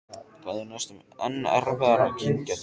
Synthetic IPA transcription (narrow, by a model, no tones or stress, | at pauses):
k̪ʰaðɪɾnajst̪ʏm | ɛ̰nːɛ̰rvɛðɾa̰cʰɪɲca